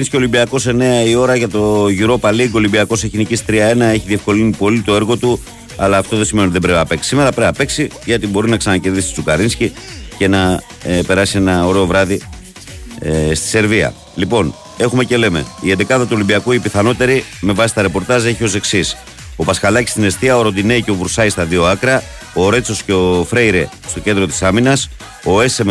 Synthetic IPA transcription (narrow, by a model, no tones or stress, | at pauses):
nscio̞limbiɐko̞se̞ne̞ɐio̞ɾɐʝɐt̪o̞ʝiɾo̞pɐliɡo̞limbiɐko̞seçinicist̪ɾiɐe̞nɐe̞çiðiefko̞linipo̞lit̪o̞e̞ɾɣo̞t̪u | ɐlɐːft̪o̞ðesiment̪iðebɾepiɐpe̞ksi̥sime̞ɾɐpɾeɐpe̞ksi | ʝɐt̪ibo̞ɾinɐksɐnɐceɾðisit̪it͡sukɐɾinscice̞nɐ | pe̞ɾɐsie̞nɐo̞ɾe̞ovɾɐði | st̪i̥se̞ɾviɐ̰ | lipo̞n | e̞xume̞ce̞le̞me̞̰iend̪ekɐðɐt̪uolimbiɐkuipiθɐno̞t̪e̞ɾime̞vɐsist̪ɐɾe̞po̞ɾt̪ɐze̞çio̞se̞ksis | o̞pɐskɐlɐci̥st̪ine̞st̪iɐoɾod̪ineiceo̞vɾusɐjist̪ɐðio̞ɐkɾɐ | oɾe̞t͡so̞sceofɾe̞jɾe | st̪o̞ce̞nd̪ɾo̞t̪i̥sɐminɐs | o̞e̞sem